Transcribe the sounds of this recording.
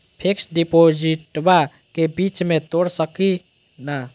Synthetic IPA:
pʰeksɖipod͡ʒiʈba | kebit͡ʃmet̪oɽsəki | na

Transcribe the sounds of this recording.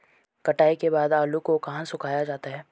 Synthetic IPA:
kɐʈaːikebaːd̪aːlukokɐɦãsʊkʰaːjad͡ʒaːt̪aɦɛː

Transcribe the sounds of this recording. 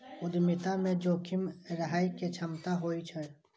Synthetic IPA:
ʊd̪mɪt̪amẽd͡ʒoːkʰɪmɾəɦaːiket͡ʃʰɐmt̪aɦoːit͡ʃʰə

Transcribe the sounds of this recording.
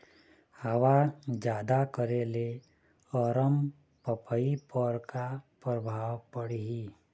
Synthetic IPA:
həʋad͡ʒjaːd̪akəɾele | ɔɾəm | pəpəipəɾkapɾəbʱaːwpəɽiɦiː

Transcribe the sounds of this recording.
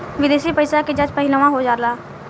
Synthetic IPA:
ʋɪd̪eːʃipəjsaked͡ʒəd͡ʒpəɦɪləʋãɦod͡ʒaːlaː

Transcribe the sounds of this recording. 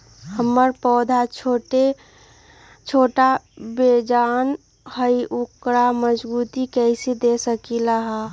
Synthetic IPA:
həmːəɾpɔːd̪ʱat͡ʃʰoʈe | t͡ʃʰoʈabed͡ʒan | həiʔukɾaməd͡ʒbut̪ikɛɪsid̪esəkilaɦa

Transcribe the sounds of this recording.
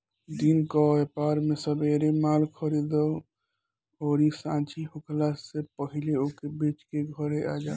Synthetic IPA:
d̪inkɔepaɾmesəbeɾemalkʰəɾid̪ɔ | ɔɾisãt͡ʃʰiɦukʰlasepəɦileokebet͡ʃkeɡʱɔɾeʔa̰d͡ʒa

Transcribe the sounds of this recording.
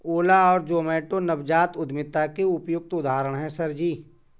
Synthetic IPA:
oːlaɔːɾd͡ʒoːmeːʈonɐbd͡ʒaːt̪ʊd̪mɪt̪akeʊpjʊk̚t̪ʊd̪aːɾəɽ̃ɦɛ̃sɐɾd͡ʒiː

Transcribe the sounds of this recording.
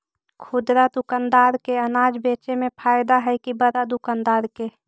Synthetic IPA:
kʰʊd̪ɾad̪ʊkand̪aːɾkeənaːd͡ʒbeːt͡ʃemẽpʰaːɪd̪aɦɛkibəɾad̪ʊkand̪aːɾke

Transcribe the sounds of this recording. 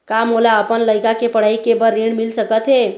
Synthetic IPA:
kamolaəpənləjkakepəɽ̤aikebəɾːeɽmilsəkət̪ɦe

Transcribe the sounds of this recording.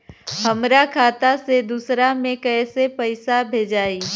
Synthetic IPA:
ɦəmɾakʰaːt̪ased̪usɾamẽkɛːsepəɪsabʱeːd͡ʒaːiː

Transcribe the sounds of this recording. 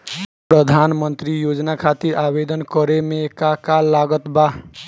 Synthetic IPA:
pɾəd̪ʱanmənt̪ɾijod͡ʒnakʰat̪iɾabed̪ənkʌɾemekakallaɡət̪ba

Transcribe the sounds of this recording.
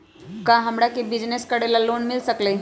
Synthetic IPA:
kaɦəmɽakibid͡ʑneskəɽelalonmilsəkle

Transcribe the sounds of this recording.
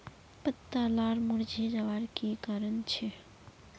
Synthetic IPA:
pət̪ːalaɾmuɾd͡ʒʱid͡ʒaʋaɾkikaɾənt͡ʃʰɛ

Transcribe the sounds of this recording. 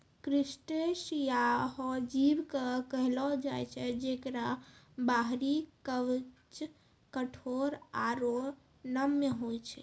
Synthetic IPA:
kɾisʈesjaɦɔd͡ʒibkəkəɦlɔd͡ʒajt͡ʃʰɛd͡ʒekɾa | baɦɾikəʋt͡ʃ | kəʈʰoɾaɾo | nəmjəɦojt͡ʃʰɛ̰

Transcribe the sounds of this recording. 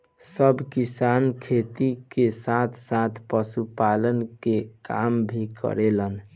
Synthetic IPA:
səbkisankʰet̪ikesat̪ʰsat̪ʰpəsupalənkekambʱikʰə̰ɾelən

